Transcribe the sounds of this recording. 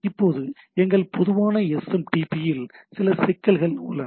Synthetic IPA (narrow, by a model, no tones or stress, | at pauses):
ɪpːoːðɯ | ɛŋɡɐɭpɔðʊʋaːnɐɛsɛmʈiːpːijɪlsɪlɐsɪkːɐɭɣɐɭʊ̰ɭːɐ